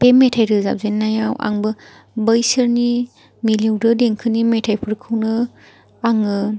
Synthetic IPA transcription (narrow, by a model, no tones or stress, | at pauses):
pemːetʰajɾɯza̰b̚zenːajawʔa̰ŋbɯ | bəjsɯɾni | milewdɯdeŋkʰɯnimetʰajpʰuɾkʰɯwnɯ | aŋɯ